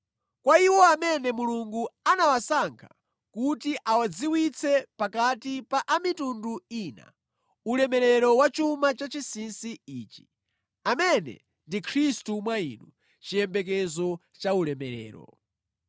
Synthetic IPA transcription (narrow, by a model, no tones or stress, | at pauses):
kwaiwɔamɛnɛmuluŋɡuanawasaŋkʰḁ | kutiʔawad͡ziwit͡sʰɛpakatipaʔamitunduiːna̰ | ulɛmɛɾɛɾɔwat͡ʃumat͡ʃat͡ʃisinsiiːt͡ʃi̥ | amɛnɛ̰ | ndikʰɾistumwaḭnu | t͡ʃijɛmbɛk̬ɛzɔ | t͡ʃaulɛmɛɾɛ̰ːɾɔ̰